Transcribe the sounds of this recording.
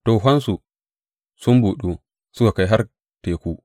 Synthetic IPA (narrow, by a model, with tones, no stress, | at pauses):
toː˨ɦʷɐ˦nsu˨ | sʊ˦mbuː˨ɗuː˦ | sʊ˦ka˨ka˦jɦa˦r | teː˨kʷuː˦